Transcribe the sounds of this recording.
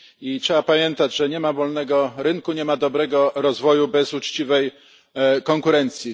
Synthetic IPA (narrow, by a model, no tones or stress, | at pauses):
itʂɛbapamʲjɛnt̪ad͡ʑʐɛɲɛmavɔlnɛɡɔɾɘŋkuɲɛmad̪ɔbɾɛɡɔɾɔzvɔjubɛzut͡ʂt͡ɕivɛj | kɔŋkuɾɛnt̪sʲji